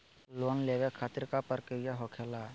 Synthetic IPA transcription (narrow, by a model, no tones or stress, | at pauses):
lonleʋekʰaːt̪ɪɾkapəɾkəɾjaɦokʰela